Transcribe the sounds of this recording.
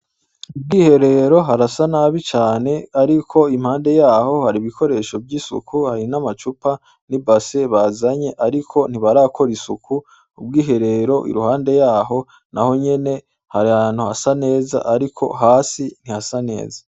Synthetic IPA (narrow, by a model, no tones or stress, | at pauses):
ub̚ɡiːhe̞ɾe̞ɾo̞ɦaɾasanaːβit͡ʃaːne̞aɾikʰo̞im̥haːnde̞jaːho̞haɾiβikʰo̞ɾe̞ːʃo̞bɟisṵkʰuhaɾinamat͡ʃupa | nibase̞βazaɲe̞ʔaɾikʰo̞n̥iβaɾaːkʰo̞ɾisuku | ub̚ɡiːɦe̞ɾe̞ɾo̞ʔḭɾuhaːnde̞jaːɦo̞ | naho̞ɲe̞ne̞ | haɾiaːn̥uhasane̞ːza̰ʔaɾikʰo̞̰ɦaːsin̥ihasane̞̰ːza